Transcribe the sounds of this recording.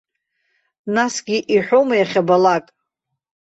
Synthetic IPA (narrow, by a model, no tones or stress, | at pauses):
nasɡʲiʔiħʷᶣomajaχʲabalakʼ